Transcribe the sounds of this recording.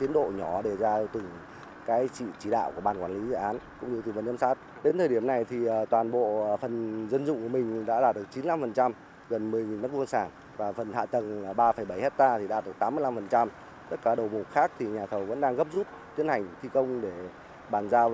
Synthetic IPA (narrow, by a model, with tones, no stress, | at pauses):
t̪i˨˦ənɗo̰˧˨ɲɔ˧˩ɗe˨˩zaː˧t̪ɨ˨˩ŋ | kaː˨˦jt͡ɕḭ˧˨t͡ɕi˧˩ɗa̰ː˧˨wku˧˩ɓaː˧˩nkwaː˧˩nli˨˦zɨ̰˧˨ʔaː˨˦nkʊ̰˧˥ŋ͡mɲɨ˧i˨˩ŋvə˧˩nː˧˦msaː˦˥t̚ | ɗe˨˦nt̪ʰəː˨˩ɗi˧˩əmna˨˩jt̪ʰi˨˩˨t̪waː˨˩nɓo̰˧˨fə˨˩nzə˧nzʊ̰˧˨ŋ͡mku˧˩əmï˨˩ŋ̟ɗa̰ː˧˥ɗaː˧˩t̚ɗɨ˨˩k̚t͡ɕi˨˦nla˧mfə˨˩nt͡ɕa˧m | ɣə˨˩nmɨ˨˩ə˨˩jŋi˨˩nːə˦˥k̚vu˧nsaː˧˩n | vaː˨˩fə˨˩ntha̰ː˧˨t̪ə˨˩n˨˩ɓaː˧fə˧˩jɓə˧˩jhe˦˥t̚t̪aː˧t̪ʰi˨˩ɗa̰˧˩t̪̚ɨ˨˩t̪aː˨˦mɨ˧la˧mfə˨˩nt͡ɕa˧m | t̪ə˦˥t̚kaː˧˩ɗə˨˩wmo˨˩t̚xaː˦˥k̚t̪ʰi˨˩ɲaː˨˩t̪ʰə˨˩wvə̰˧˥nɗaː˧ŋɣə˦˥p̚zu˦˥p̚t̪i˨˦ənha˨˩jŋ̟t̪ʰi˧kə˧wŋ͡mɗe˧˩ | ɓaː˨˩nzaː˧